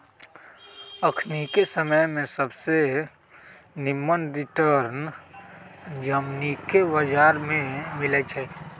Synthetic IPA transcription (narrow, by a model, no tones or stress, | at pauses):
əkʰnikesəməjmẽsəbse | nɪmːənɾɪʈəɾn | d͡ʒəmnikebəd͡ʒaːɾmẽmɪlət͡ʃʰɛ